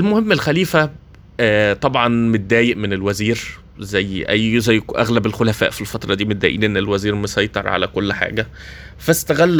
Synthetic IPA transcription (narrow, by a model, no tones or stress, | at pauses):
ʔelmohemːelxæliːfæ | æt̪ˤɑbʕɑnmet̪̚d̪æːjeʔmenelwæziːɾ | zæjːʔæjːzæjːʔæɣlæbelxolæfæ̰ːʔfilfɑt̪ˤɾˤɑd̪iːmet̪̚d̪æ̰ːʔḭːnʔenːelwæziːɾmesˤɑjt̪ˤɑɾˤʕa̰lækolːħa̰ːɡæ | fæst̪æɣælː